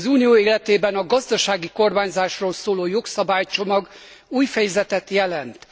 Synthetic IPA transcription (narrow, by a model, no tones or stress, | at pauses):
zuːnijoːeːlɛt̪eːbɛnɒɡɒzd̪ɒʃaːɡiko̞rmaːɲzaːʃroːlsoːloːjo̞ksɒbaːjt͡ʃo̞mɒɡ | uːjfɛjɛzɛt̪ɛt̪jɛlɛnt̪